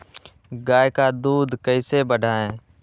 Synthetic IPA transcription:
ɡaːjkaːd̪uːd̪kəiːseːbəɖʱaːẽː

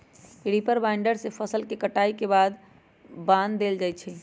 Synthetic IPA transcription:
ɽipəɾbaɪɳɖəɾsepʰəsəlkekəʈaikebad̪ | bãnd̪ːeld͡ʒajt͡ʃʰɛ

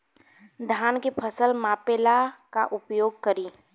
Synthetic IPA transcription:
d̪ʱjaːnkepʰəsəlmaːpeːlaka̰ʔʊpjoːɡ̚kəɾiː

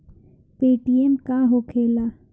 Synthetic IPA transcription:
piːʈiemkaɦokʰeːlaː

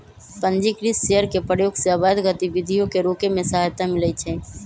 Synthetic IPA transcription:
pə̃nd͡ʒikɾisʃejəɾkepɾəjoːɡseəbaːd̪ɡət̪ibɪd̪ʱijõkeɾoːkemẽsəɦaːjt̪amɪləit͡ʃʰɛː

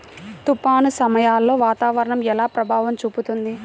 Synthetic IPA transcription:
t̪upaːnusɐmɐjaːlːo̞ːʋaːt̪aːʋɐɾɐɳɐmɛlaːpɾɐbʱaːʋɐmt͡ʃuːput̪und̪i

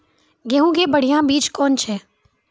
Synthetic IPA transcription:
ɡeːɦũɡebəɽ̤ijãbiːd͡ʒkɔːnt͡ʃʰɛː

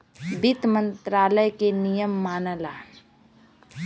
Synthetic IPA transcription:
bɪt̪mə̃nt̪ɾaːləjkenijəmːaːnəla

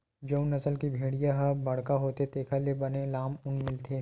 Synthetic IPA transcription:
d͡ʒɐũnɐsəlkibʱeːɽijaɦɐbɐɽ̤kaɦoːt̪et̪eːkʰalebɐnelaːmʊnmɪlt̪ʰeː

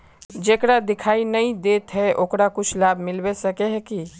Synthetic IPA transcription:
d͡ʒeːkɾad̪ɪkʰaːinɐĩd̪eːt̪ɦɛʔoːkɾakʊt͡ʃʰlaːbʱmɪlwesɐkeɦɛki

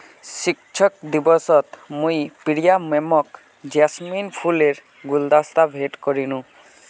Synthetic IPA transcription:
sikt͡ʃʰɔk̚d̪ibɔsɔt̪mũjpiɽijamemɔk | d͡ʒasminpʰuleɾ | ɡuld̪ast̪abʱeʈkɔɾinũ

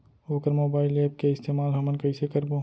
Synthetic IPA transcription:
oːkəɾmoːbaːɪleːp̚keɪst̪eːmaːlɦɐmənkɐɪsekəɾboː

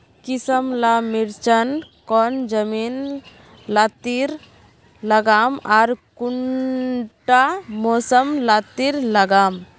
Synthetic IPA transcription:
kisəmlamiɾt͡ʃənkɔnd͡ʒəmin | lat̪iɾ | ləɡaːmaɾkuɳ | ʈamoːsəmlat̪iɾləɡaːm

